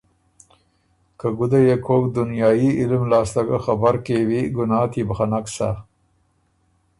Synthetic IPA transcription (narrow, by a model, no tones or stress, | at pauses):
kaɡʊd̪ajekʰoːkd̪ʊnjɑːjiɪlmlɑːslaɡaxabaɾkewiɡʊnɑːt̪ʰibaxanaksa̰